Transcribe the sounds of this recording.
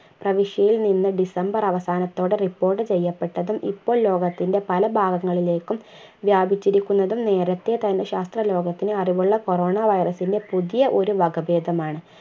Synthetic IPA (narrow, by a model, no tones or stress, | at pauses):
prɐʋiʂjɐjilninːɨɖisɐmbɐrɐʋɐsaːnɐt̪ːo̞ːɽɨripːo̞ːrʈːɨt͡ɕejːɐpːe̞ʈːɐðumḭpːoːɭlo̞ːɡɐt̪ːinde̞pɐlɐbʱaːɡɐŋːɐɭile̞ːkːum | ʋjaːbʱit͡ɕːiɾikʲːunːɐðumne̞ːɾɐt̪ːe̞t̪ɐnːeɕaːst̪rɐlo̞ːɡɐt̪ːinɨɐriʋuɭːɐko̞ro̞ːɳaʋɐjrɐsinde̞puðijɐʔo̞ɾuʋɐɡɐbe̞ːd̪ʱɐmaːɳɨ